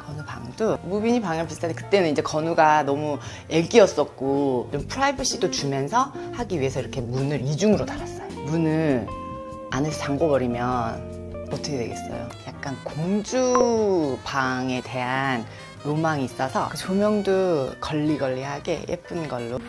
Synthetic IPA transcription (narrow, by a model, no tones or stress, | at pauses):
kʌnupa̰ŋdumubiɲipaŋɯɭpisʰtʰantekɯ̥t͈e̞nɯnid͡ʑe̞kʌnuɡanʌmu | e̞ɡ͈iʌs͈ʌk̚k͈ot͡ɕompʰuɾaibɯɕ͈idot͡ɕumjʌnsʰʌhaɡiɥiɦe̞sʰʌiɾʌkʰe̞munɯɾid͡ʑuŋɯɾotaɾas͈ʌjomunɯn | a̰nesʰʌt͡ɕaŋɡobʌɾimjʌn | ʌtʰʌkʰdwe̞ɡe̞s͈ʌ̰jo̰jak̚k͈ankoŋd͡ʑu | paŋe̞te̞ɦanː | omaŋiːs͈ʌsʰʌ̰kt͡ɕʰomjʌŋdukʌʎːiɡʌʎːiɦaɡe̞̰jep͈ɯnɡʌɭːo